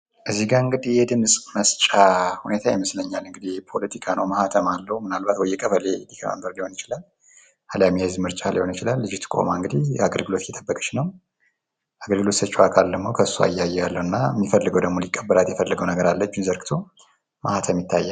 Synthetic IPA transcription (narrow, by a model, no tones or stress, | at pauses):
ʔɨzːiɡaɨŋɡɨd̪ihjɛd̪ɨmsʼməst͡ʃʼahune̞t̪ʰajɛməsləɲːalɨŋɡɨd̪ipʰo̞lət̪ʰikʰanʔə̰wməhat̪ʰəmalːəhwmɨnalbat̪wɔjːɛkʼəfəlelikʰa̰mə̰mbəɾliho̞njɪt͡ʃɪlal | haljamezmɨɾt͡ʃʼaliho̞njɪt͡ʃɪlalːɨd͡ʒɪht̪ɨ̥kʼo̞̰maɨŋɡɨd̪ihaɡəlɡɨlo̞t̪jɛt̪ʰʼəbːəkʼə̥t͡ʃnəw | ʔaɡəlɡɨlo̞t̪sət͡ʃːuwakʰald̪əmːowkʰəsːua̰jːajːɛjalːəwɨnːamːifəlːɨɡəwd̪əɡmolikʼːəbːəlat̪jɛfəlːɨɡəwnəɡəɾalːət͡ʃːunzəɾɡɨt̪ʰo̞ | məhat̪ʰəmjɪt̪ʰːajːa